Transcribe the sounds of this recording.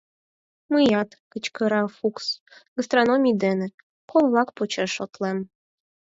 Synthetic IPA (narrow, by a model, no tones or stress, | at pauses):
məjɑt̪kət͡ɕkə̆ɾɑfuksɣəst̪ronomʲijd̪enĕ | kolˠβlˠɑkpot͡ɕeʃot̪lem